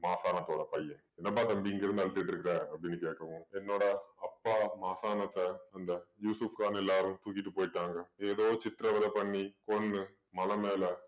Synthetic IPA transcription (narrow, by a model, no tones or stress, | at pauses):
maːsaːnɐt̪ːoːɽɐpɐjːɐ̃ | ɛnːɐp̬aːʈːɐmbiːŋɡɪɾɯnd̪ɯɐɭɯt̪ːɯkʈːɪɾɯkːɪɾeːɐpːɐɽɪnːɯkeːʈkːɐʋʊ̃ɛnːoːɽɐɐpːaːmaːsaːnɐt̪ːɐɐnd̪ɐjuːsufkaːnɛlːaːɾɯ̃t̪uːkːɪʈːɯpoːjɪʈːaːŋɡɐeːðoːt͡ʃɪt̪ɪɾɐʋɐlɐpɐɳːikɔɳːɯ | mɐlɐmeːlɐ